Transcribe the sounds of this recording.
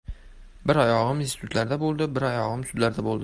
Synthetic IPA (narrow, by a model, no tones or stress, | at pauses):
bɪɾɒjɒʁɨminst̪ɪ̥t̪ʰʊt̪ʰlaɾd̪abolˠd̪ɪbɪɾɒjɒʁɨmsʊd̪laɾd̪abolˠd̪ɪ